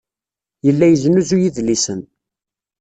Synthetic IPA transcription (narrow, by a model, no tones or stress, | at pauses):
jəlːæjəznuzujiðlisən